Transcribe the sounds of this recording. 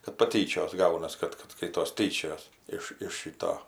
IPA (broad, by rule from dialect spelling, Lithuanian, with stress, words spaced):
kɐt pɐˈtʲiːt͡ʃʲoːs ˈɡɐʊnɐs ˈkɐt ˈkɐt ˈskɐɪtoːs ˈtʲiːt͡ʃʲoːjɛs ˈɪʃ ɪʃ ˈʃʲiːtoː